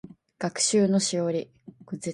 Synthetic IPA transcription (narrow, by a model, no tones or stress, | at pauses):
ɡ̥akɯ̥ɕɨːno̞ɕioɾʲi | kɯ̟ze